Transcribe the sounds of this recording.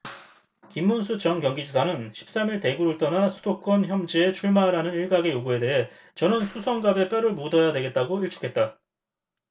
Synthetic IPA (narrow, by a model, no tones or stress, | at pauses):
kimːunsʰut͡ɕʌŋkjʌŋɡid͡ʑisʰanɯnɕʰi̥p̚s͈amiɭte̞ɡuɾuɭt͈ʌnasʰud̥ok̚k͈ʌnçjʌmd͡ʑie̞t͡ɕʰuɭmaɾanɯniɭɡaɡe̞joɡue̞de̞ɦe̞ | t͡ɕʌnɯnsʰusʰʌŋɡabe̞p͈ʰeɾɯɭmudʌjadwe̞ɡe̞t̚t͈aɡoiɭt͡ɕʰu̥kʰe̞t̚t͈a